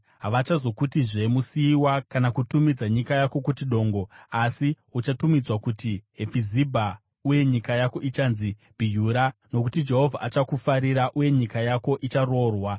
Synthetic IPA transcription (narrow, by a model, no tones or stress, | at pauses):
ɦaʋat͡ʃazo̞kutiʐe̞musiːwakanakutumid͡zaɲikajako̞kutiɗo̞ːŋɡo̞asi | ut͡ʃatumid͡zwakutiɦefizibʱa | uje̞ɲikajako̞ʔit͡ʃanzib̥ʱijuːɾano̞kutid͡ʒe̞ɦo̞vʱa̰ʔat͡ʃakufaɾiɾaʔuje̞ɲikajako̞ʔit͡ʃaro̞rwa